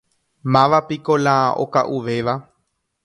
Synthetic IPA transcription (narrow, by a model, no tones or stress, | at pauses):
mãʋapikolãʔo̰kaʔuʋeʋa